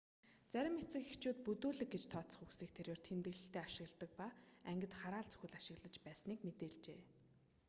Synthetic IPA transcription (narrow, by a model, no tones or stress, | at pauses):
t͡sæɾʲɪ̆met͡sɘ̆kixt͡ɕʰuːt̪̚pɵt̪uːɮɘ̆k̚ɡet͡ɕt̪ʰɔːt͡sə̆χuksiːk̚t̪ʰeɾweːr̥t̪ʰemt̪ɘ̆ɣɮɘ̆ɬt̪eːaʃɪ̆ɣ̆ɮt̪ə̆k̚paæŋɡʲɪ̆t̪χaɾaːɮt͡sɵ̥xɘ̆ɮaʃɪ̆ɣɮə̆t͡ɕpæːsniːkmet̪eːɮt͡ɕeː